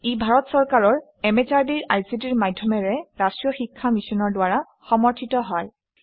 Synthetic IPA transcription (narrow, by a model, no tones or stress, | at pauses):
ebʱaɹɔtsɔɹkaɹɔɹ | ɛmɛt͡ʃaɹdiɹajsitiɹmadʱjɔmɛɹɛɹastɹijɔxikʰːamisɔnɔɹdʊwaɹa | xɔmɔɹtʰitɔɦɔj